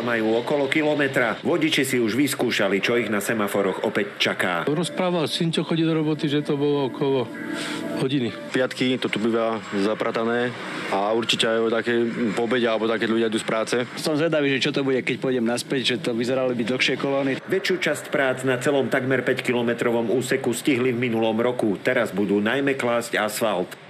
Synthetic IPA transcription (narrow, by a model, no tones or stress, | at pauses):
majuːɔkɔlɔkilɔmɛt̪ɾaʋɔɟit͡ʃisiuʒʋiskuːʃalit͡ʃɔiɣnasɛmafɔɾɔɣɔpɛct͡ʃaka̰ːɾɔspɾaːʋalsint͡ʃɔxɔɟid̪ɔɾɔbɔt̪iʒɛt̪ɔbɔlɔɔkʰɔlɔ | hɔɟini | pɪat̪kit̪ɔt̪ubiʋaːzapɾat̪anɛː | auɾt͡ʃicɛajɔt̪akɛjpɔbɛɟɛalɛbɔt̪akɛʎuɟɪad̪uːspɾaːt͡sɛsɔmzʋɛd̪aʋiːʒɛt͡ʃɔt̪ɔbuɟɛkɛc̚pɔjɟɛmnaspɛɟʒɛt̪ɔʋizɛɾalibiɟd̪l̩xʃɪɛkɔlɔːniʋɛt͡ʃɪuːt͡ʃascpɾaːt͡snat͡sɛlɔmt̪aɡmɛɾpɛckilɔmɛt̪ɾɔʋɔmuːsɛkusciɦlivminulɔmɾɔkut̪ɛɾazbud̪uːnajmɛklaːzcasfalt̪